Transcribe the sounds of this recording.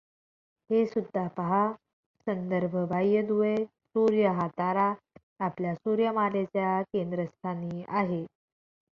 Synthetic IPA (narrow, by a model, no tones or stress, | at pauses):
hesud̪ʱːapəɦa | sənd̪əɾbʱəbʱajəd̪uʋe | suɾjəɦat̪aɾaː | pljasuɾjəmalet͡ɕjakend̪ɾəst̪ʰaniːaɦe